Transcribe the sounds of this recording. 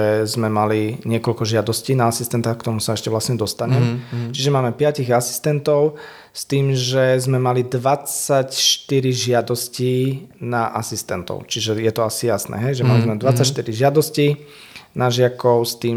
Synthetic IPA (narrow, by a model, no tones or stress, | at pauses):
ɛzmɛmaliɲɪɛkɔlkɔʒɪad̪ɔsciːnaasist̪ɛnt̪axkt̪ɔmusaɛʃcɛʋlasɲɛd̪ɔst̪aɲɛmt͡ʃiʒɛmaːmɛpɪaciɣasi̥st̪ɛnt̪ɔʊ | st̪iːmʒɛzmɛmalid̪ʋat͡sacʃt̪iɾiʒɪad̪ɔsciːnaʔasist̪ɛnt̪ɔ̰ʊt͡ʃiʒɛjɛt̪ɔasijasnɛ̰ɦɛjʒɛmalizmɛd̪ʋat͡sːacʃt̪iɾiʒɪad̪ɔsciː | naʒɪakɔʊst̪iːm